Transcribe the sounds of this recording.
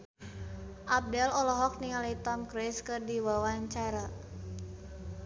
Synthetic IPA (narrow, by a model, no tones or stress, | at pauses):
ʔap̚dɛlɔlɔɦɔk̚niŋalait̪ɔmkɾɛskɨrdiwawaɲt͡ʃaɾa